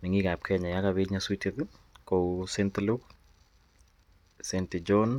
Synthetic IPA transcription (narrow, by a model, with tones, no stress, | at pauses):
ni˨ŋi˦ɡa˨p̚kʰɛ˦ɲɔ˨ja˦ka˨bi˦ɲa˦swi˦ti˦ðkowse˦nt̪lu˦k | senti˨d͡ʒɔn